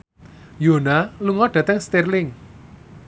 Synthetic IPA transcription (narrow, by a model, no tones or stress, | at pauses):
jonaluŋɔɖ̥ä̤t̪ɛŋst̪irlɪŋ